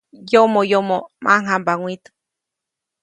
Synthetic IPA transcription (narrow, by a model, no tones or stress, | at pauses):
jomojomomʔa̰ŋambaŋʷwit̪ɨ̥